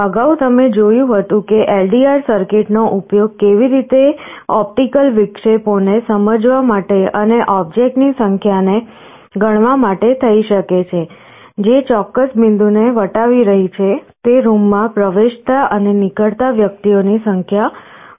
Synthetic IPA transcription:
əɡaut̪əmed͡ʒojũɦət̪ũkeʔelɖiaɾsəɾkeʈnoʔupjoɡ̚keʋiɾit̪eɔp̚ʈikəlʋɪkʃeponesəməd͡ʒʋamaʈeʔəneʔɔb̚d͡ʒek̚ʈnisəŋkʰjane | ɡəɳ̃ʋamaʈet̪ʰəiʃəket͡ʃʰe | d͡ʒet͡ʃɔkːəsmɪnd̪uneʋəʈaʋiɾəɦit͡ʃʰet̪eɾumːãpɾəʋeʃt̪aənenikəɭt̪aʋjək̚t̪ionisəŋkʰja

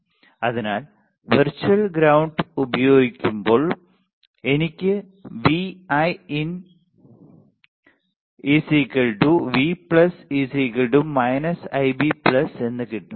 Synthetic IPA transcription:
ɐðinaːl | ʋɐrt͡ɕːuɐlɡɾɐwɳɖubɐjo̞ːɡikʲːumbo̞ːɭ | e̞nikʲːɨ | ʋiɐjin | isikːɐɭɖuʋipɭɐsisiːkɐɭɖumːɐjnɐsɐjbipɭɐse̞nːɨkiʈːum

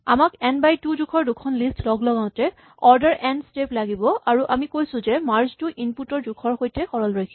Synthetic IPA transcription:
amakɛnbajtudukʰɔɹdukʰɔnlistlɔɡlɔɡaʊ̃tɛ | ɔɹdɛɹʔɛnsteplaɡibɔaɹuʔamikojsʊ̃zɛmaɹztuʔinputɔɹdukʰɔɹxojtɛxɔɹɔlɹajkʰi

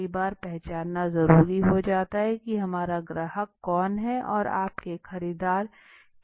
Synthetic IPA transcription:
ibaːɾpɛɦt͡ʃaːnːazɐɾuːɾiɦod͡ʒaːt̪aɦɛkiɦɐmaːɾaɡɾaːɦəkːɔːnɦɛʔɔːɾa̰ːp̚kexɐɾiːd̪aːɾ

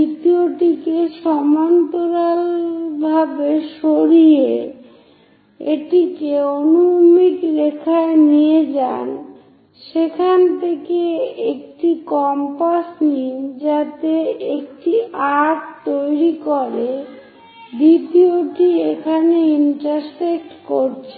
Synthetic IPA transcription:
it̪ioʈikeʃɔmant̪oɾalbʱabeʃoɾie | eʈikeonumikɾekʰaenied͡ʑa̰n | ʃekʰant̪ʰekeek̚ʈikɔmpasnid͡ʑat̪eek̚ʈiaʈt̪ojɾikoɾe | bit̪ioʈiekʰaneinʈaɾsek̚ʈkoɾt͡ɕʰe

